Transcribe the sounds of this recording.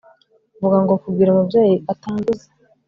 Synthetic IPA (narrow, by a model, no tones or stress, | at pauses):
vuɡaŋɡokubɡiːɾamubjaːjiʔataːmbuze̥